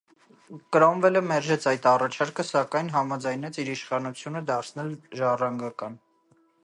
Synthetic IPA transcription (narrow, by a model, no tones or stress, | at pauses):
kɾɔmvɛləmɛɾʒɛt͡sʰɑjt̪ɑrɑt͡ʃʰɑɾkəsɑkɑjnɦɑmɑd͡zɑjnɛt͡siɾiʃχɑnut͡sʰjunəd̪ɑɾt͡sʰnɛlʒɑrɑŋɡɑkɑn